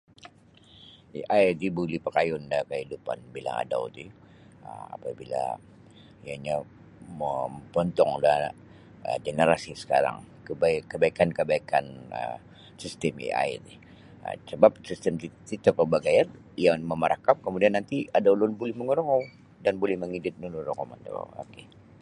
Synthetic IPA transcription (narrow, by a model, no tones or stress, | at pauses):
ḭʔajdibulipəkajʊndakəhidupa̰nbila̰ŋa̰da̰wt̪i | əma̰pabila̰ | ijaɲa | məpɔnt̪ɔŋda | ə̰ɡenəɾasisə̥ka̰ɾa̰ŋ | kəbaikːəbaikankəbaikanə̰ | sist̪ɛmḭa̰j̰tɪh | ə̰səbap̚sist̪əmt̪it̪it̪əkəbaɡajan | jaŋməməɾʔakap̚kəmudianːant̪iadawlʊnbolɛhməŋəɾoŋɔw | danbolɛhməŋidɪt̪̚lunəɾoŋoma̰nd̪o̰a̰o̰ke